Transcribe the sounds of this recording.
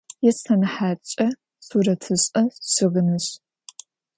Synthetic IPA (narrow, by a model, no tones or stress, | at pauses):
jɛsɐnɨħaːt͡ʃʼɐ | suɾɐtʰɨɕʼɐɕɨʁɨnɨɕ